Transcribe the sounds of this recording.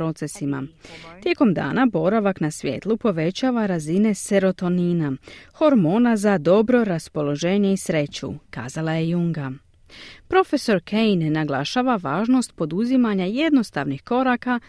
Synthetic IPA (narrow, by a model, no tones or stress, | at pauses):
ɾo̞t̪se̞sima̰t̪je̞ko̞md̪a̰ːnabo̞ɾaʋaknasʋje̞̰ːt̪lˠupo̞ʋe̞t͡ɕaːʋaɾazine̞se̞ɾo̞t̪o̞ninaxo̞ɾmo̞ːnazad̪o̞bɾo̞ɾaspo̞lo̞ʒe̞ːɲe̞isɾe̞t͡ɕṵka̰ːzalaje̞juŋɡa | pɾo̞fe̞so̞ɾkʰejnːaɡlˠaʃaːʋaʋaːʒno̞st̪̚po̞d̪uzimaɲaje̞d̪no̞st̪a̰ʋnixko̞ɾaka